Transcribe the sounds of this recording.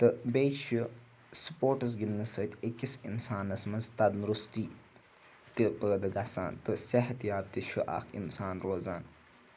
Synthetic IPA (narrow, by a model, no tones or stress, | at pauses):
t̪ɨbeːʃu | su̥poːʈɐz̬ɡinːɨsəːt̪ekisinsaːnɐsmɐnzt̪ɐd̪nɾust̪iː | t̪ipəːd̪ɨɡasa̰ːnt̪ɨsɐɦɐt̪jaːp̚t̪iʃʰuʔa̰ːkʰḭnsaːnɾoːzaːn